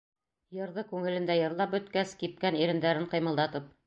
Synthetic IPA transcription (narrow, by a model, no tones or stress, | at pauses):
jɤ̆ɾðɤkʉŋɘ̆lɘ̆nd̪æjɤ̆ɾlˠɑp̚bɵ̆t̪kæskip̚kæniɾɘ̆nd̪æɾɘɴqɤ̆jmɤ̆lˠd̪ɑt̪ɤp̚